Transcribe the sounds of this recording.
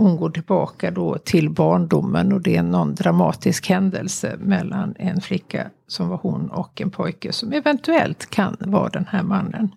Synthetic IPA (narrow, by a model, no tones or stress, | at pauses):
hʊnɡoːʈɪlbɑːkad̪oːt̪ʰɪlbɑːɳɖʊmːənɔd̪ɛɛɛnːɔnd̪ɾamɑːt̪ɪskhɛnd̪əlsəmɛlːanɛnflɪkːa̰ | sɔmvaɾhʊnɔ̰kɛnpʰɔjkəsɔmɛvɛnt̪ɵɛlt̪kʰanvɑ̰ːd̪ɛnhæːɾmanːən